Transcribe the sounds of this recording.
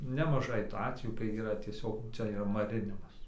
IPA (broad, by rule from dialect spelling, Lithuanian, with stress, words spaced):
nʲɛmɐˈʒɐɪ tuː ˈɑːtʲʋʲɛjuː kɐɪ iːˈrɐ tʲiɛˈsʲoːk ˈt͡sʲɛ iːˈrɐ mɐˈrʲɪnʲɪmɐs